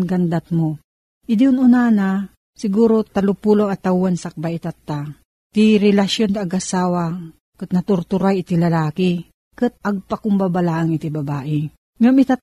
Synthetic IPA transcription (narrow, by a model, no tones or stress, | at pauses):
nɡand̪at̪mo | ʔɪd̪iʊnʊnana | sɪɡuːɾot̪alʊpuːloŋɐt̪awːansak̚baʔit̪at̪ːa | t̪iɾɛlaʃjond̪aːɡasaːwa | kɨt̪̚nɐt̪ʊɾt̪ʊɾajɪt̪ilɐlaːki | kɨt̪̚ɐɡ̚pakʊmbabalaʔaŋɪt̪ibɐbaːʔɪ | mamɪt̪at̪